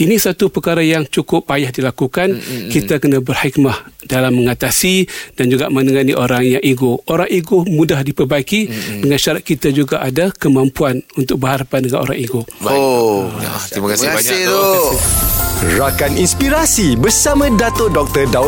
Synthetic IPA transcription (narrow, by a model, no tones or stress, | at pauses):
inĩsat̪upəkaɾajaŋt͡ʃukʊpːajahdilakukankit̪akənãbərhikmahd̥alamːəŋat̪asid̥and͡ʒuɡaʔmə̃nəŋaniʔoɾaŋjaŋʔiɡooɾaŋiɡomũdahdipərbaikidəŋanʃaɾat̪̚kit̪ad͡ʒuɡaʔadakəmãmpuanunt̪ʊk̚bəɦaɾapandəŋanʔo̰ɾa̰ŋiɡo | t̪imakas | rakaninspiɾasibərsamãdat̪odɔk̚t̪əda